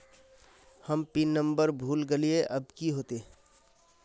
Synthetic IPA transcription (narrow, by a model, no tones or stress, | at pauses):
həmpinːə̃mbəɾbʱuːlɡelieʔəbkiɦoːt̪e